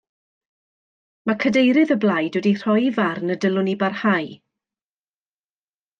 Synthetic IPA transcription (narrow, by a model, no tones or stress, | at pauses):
makʰədejɾɨðəblˠajdwədir̥ɔjvarnədəlʊnibarhaj